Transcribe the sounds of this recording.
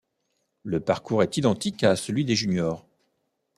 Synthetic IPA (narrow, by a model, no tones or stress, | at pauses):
ləpaʁkuʁɛt̪id̪ɑ̃t̪ikasəlɥid̪eʒynjɔːʁ